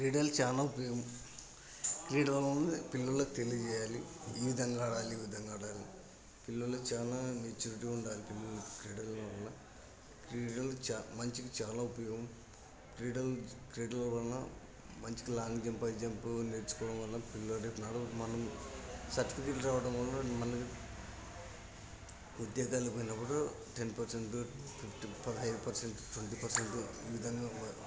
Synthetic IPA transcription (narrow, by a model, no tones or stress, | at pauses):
kɾiːɽɐlt͡ʃaːnaːupɐjoːɣɐm | kɾiːɽɐlunpilːɐllːɐt̪elit͡ʃejaːliiːʋid̪ʱɐŋɡaːɽaːliːʋid̪ʱɐŋɡaːɽaːli | pilːɐɭlːɐt͡ʃaːnameːt͡ʃːuːɾiʈiuɳɖaːlipilːɐɭlːkɾiːɽɐlnɐlːɐ | kiːɖɐlamɐɲt͡ʃikit͡ʃaːnaːupɐjoːɣɡɐm | kɾiːɽɐlkɾeːɖɐlʋɐlɐna | mɐɲt͡ʃi̥kilaːnd͡ʒɐmpɐjd͡ʒɐmpuneɽt͡ʃu̥kɔːʋɐɽɐmʋɐlːɐpilːɐɖepnaːɽumɐnɐmsɐʈkt̪iːʈlɾaːʋɐɽɐmʋɐlnɐmɐnɐki | ud̪jaːɡaːlpoːjinɐpːuɽu | ʈenpɐɾseɳʈupʰipʰʈipɐd̪ɦɐjd̪upɐɾseɳʈʈwɐɳʈiːpɐɾseɳʈḭːʋid̪ʱɐŋɡaː